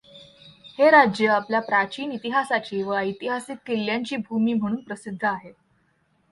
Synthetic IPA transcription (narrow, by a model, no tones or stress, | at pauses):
heɾad͡ʑjəapljapɾat͡ɕiːnit̪iɦasat͡ɕiːʋəəit̪iɦasik̪keljaɲt͡ɕiːbʱumiːm̤əɽ̃uːnpɾəsid̪ʱːəaɦe